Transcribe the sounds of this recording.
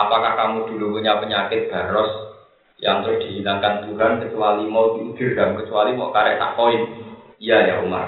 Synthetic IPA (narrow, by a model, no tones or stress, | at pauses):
apakahkamud̪̥ṳlupuɲapəɲakɪt̪̚b̥a̤ɾɔs | jaŋt̪əɾʊsd̪̥i̤ɦinaŋkant̪uɦankət͡ʃualimɔt̪ib̥i̤ɾamkət͡ʃualimɔ̰ʔkaɾɛ̰ʔt̪a̰ʔkoɪn | jajaṵma̰r